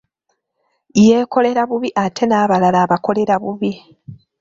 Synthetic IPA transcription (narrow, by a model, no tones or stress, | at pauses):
je̞ːko̞le̞ɾaβuβiʔatʰe̞naːβalalaːβako̞le̞ɾaβuβi